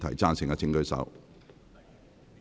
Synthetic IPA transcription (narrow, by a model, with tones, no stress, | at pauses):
t̪ʰɐ˨˩jt͡saː˧˥nsɪ˨ŋkɐ˧t͡sʰɪ˨˧ŋkɵ˧ɥsɐ̰˨˥w